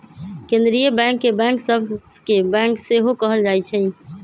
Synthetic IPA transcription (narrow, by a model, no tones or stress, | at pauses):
kẽnd̪ɾijəbɛ̃ŋkːebɛ̃ŋksəbʱkebɛ̃ŋkseɦokəɦəld͡ʒajt͡ʃʰɛ